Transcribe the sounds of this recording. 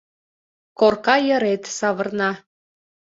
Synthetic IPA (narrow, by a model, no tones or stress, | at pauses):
korkɑjə̆ɾet̪sɑβə̆rnɑ